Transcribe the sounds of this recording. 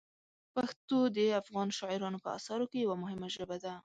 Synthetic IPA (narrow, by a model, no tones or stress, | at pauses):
paxt̪od̪əafɣɑnʃɑʕɪɾɑnopəa̰sɑɾokejawamʊɦɪmaʒəbad̪a